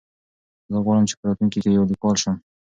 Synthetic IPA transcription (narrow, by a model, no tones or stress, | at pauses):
zəɣwɑɽəmt͡ʃe̥pəɾɑt̪unkikejawd̪ikɑlʃəm